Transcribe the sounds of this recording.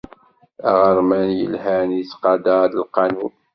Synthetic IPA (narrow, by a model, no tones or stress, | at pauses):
æʁəɾˤmænjə̰lhænit͡sqɑd̪ɑd̪əlqɑnun